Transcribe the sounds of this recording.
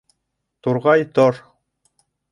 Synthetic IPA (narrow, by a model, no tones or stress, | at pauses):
t̪uɾʁɑjt̪oɾ